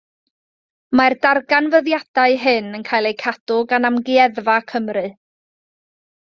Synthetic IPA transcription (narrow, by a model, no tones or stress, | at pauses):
mardarɡanvəðjad̥aɨɦɨnənkʰaːjlˠejkʰad̥ʊɡanamɡiɛðvakʰəmrɨ